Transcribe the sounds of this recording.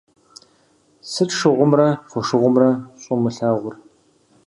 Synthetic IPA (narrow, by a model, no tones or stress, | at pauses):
sɨtʂɨʁʷʊmrɐfʷɔʂɨʁʷʊmrɐɕʼɔmɨɬaːʁʷʊr